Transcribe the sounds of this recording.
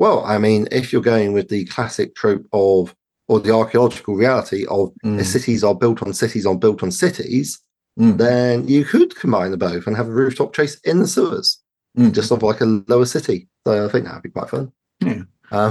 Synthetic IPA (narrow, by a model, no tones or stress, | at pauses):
wɛlˠa̰ɪmĩnɪfjəɡəʊɪ̃ŋwɪðəkʰl̥asɪk̚tʰɹ̥ʉˑp̚əv | əðiɑˑkiəlɒd͡ʒɪkʰəlˠɹialɪtʰiʔəvəsɪtʰizəbɪlˠtn̩sɪtʰizbɪlˠtn̩sɪtʰḭz̥ | ðə̃njəkʰəd̥̚kʰə̃mbãɪ̃nðəbəʊθə̃nəvəɹʉˑftʰɒp̚t͡ʃʰeɪsɪ̃nðəsəːə̰z̥ | d͡ʒʌstɒvlaɪkəlləʊəsɪtisəʊaɪθɪ̃ŋk̚ða̰ʔ̚bikw̥a̰ɪtfʌ̃n | ʔʌ̃